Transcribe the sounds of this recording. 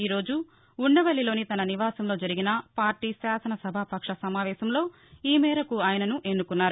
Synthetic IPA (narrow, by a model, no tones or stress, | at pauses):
iːɾo̞ːd͡ʒuː | ɳːɐʋɐɭilo̞ːnit̪ɐnɐniʋaːsɐmlo̞ːd͡ʒɐɾiɡinɐpaːɾʈiːʃaːsɐnɐsɐbʱɐpɐkʂɐsɐmaːʋɛːʃɐmlo̞ː | iːmɛːɾɐkuaːjɐnɐnuʔe̞nːukunːaːɾu